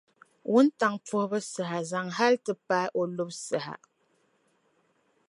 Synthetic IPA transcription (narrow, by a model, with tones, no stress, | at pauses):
wu˦n˦ta˨ŋp͡fo˦hbə˦sə˨ɦa˨za˨ŋɦa˦ltɨ˦pa˦ʔo˨lo˦p̚sə˨ha̰˨